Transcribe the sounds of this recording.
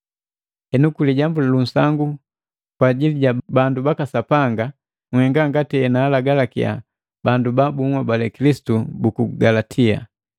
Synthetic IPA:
hɛnukuliɟambulalun̩saŋɡu | kwaːɟiliɟabandubakasapaŋɡa | ŋwɛŋɡaŋɡatiɛnaːlaɡalakia̰ | bandubabuŋwabalɛkilisi̥tubukuɡalatʰia̰

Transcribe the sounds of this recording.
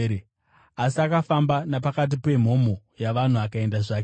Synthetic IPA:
asiakafambanapakat̬ipe̞m̤o̞mo | jaʋan̤uakae̞ndaʐaːke

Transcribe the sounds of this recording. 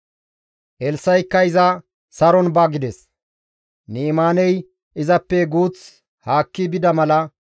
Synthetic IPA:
ʔɛlsɐjkːɐɪzɐ | sɐɾɔnbɐɡɪd̪ɛs | niːmaːnɛj | ʔɪzɐpːɛɡuːt͡s | haːkːɪbɪd̪ɐmɐlɐ

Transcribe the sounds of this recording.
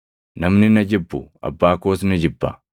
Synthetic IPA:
nɐmnɪnɐd͡ʒɪbːʊɐ̰bːaːkoːsnɐd͡ʒɪbːɐ

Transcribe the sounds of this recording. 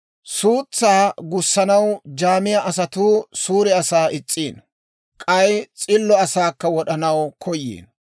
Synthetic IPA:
suːt͡sːaːɡʊsːɐnɐwd͡ʒaːmɪjɐʔɐs̬ɐt̪uːsuːɾɛɐsaːʔɪt͡sʼːiːn | kʼɐjt͡sʼɪlːɔɐsaːkːɐwɔɗɐnɐwkʰɔjːḭːn

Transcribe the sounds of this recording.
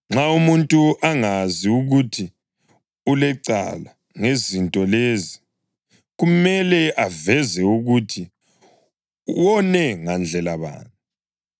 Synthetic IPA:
ŋ͡ǁaumuntʼuʔaŋaziuɣutʰi | ulɛǀa̰la | ŋezintʼɔlezi | ɣumɛlɛʔavɛzɛuɣutʰi | wɔnɛŋand͡ɮʱɛlaβa̰ːni

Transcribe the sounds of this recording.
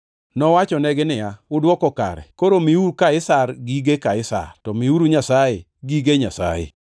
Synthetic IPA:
nɔwat͡ʃɔnɛɡɪnɪjaʊdwɔkɔka̰ɾɛ̰koɾomiuɾukaɪsarɡiɡekaɪsa̰rtɔmiuɾuɲasajɪ | ɡiɡeɲasa̰jɪ̰

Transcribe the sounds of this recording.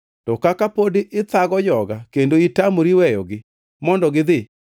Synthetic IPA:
tɔkakapodeʔɪt̪aɣɔd͡ʒɔɡakendoitamoɾiwɛjɔ̰ɡɪ | mɔndɔɡɪðɪ

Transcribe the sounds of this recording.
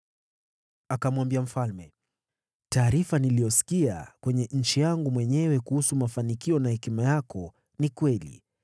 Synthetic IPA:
akamwambiam̩falmɛ | taːɾifanilijɔsi̥kia̰kwɛɲɛɲ̩t͡ʃijaŋɡumwɛɲɛwɛkuhusumafanikiɔnahɛkimajakɔ | nikwɛlḭ

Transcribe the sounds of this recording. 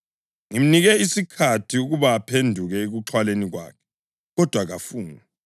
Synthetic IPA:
ŋim̩niɣɛisikʰatʰiuɣuβaːpʰendʱuɣɛeɣuǁʰwaleniɣwa̰ːkʰɛ̥ | ɣɔd̥ʱwaɣafuːna

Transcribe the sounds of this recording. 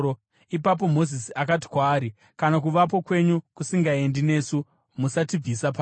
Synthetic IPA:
ipap̬o̞mo̞zisiakati̥kwaːɾi | kanak̬uʋap̬o̞kwe̞ɲukusiŋɡae̞ndine̞ːsu | musatib͡visap̬a

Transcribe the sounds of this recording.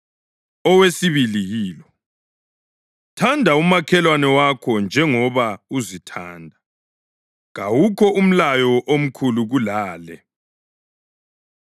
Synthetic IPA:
ɔwesiβilijiːlɔ | tʰandʱaumakʰɛlwanɛwakʰɔnd͡ʒʱɛŋɔβauzitʰa̰ːndʱa | ɣawukʰɔʔum̩lajɔʔom̩kʰuluɣulaːlɛ̰

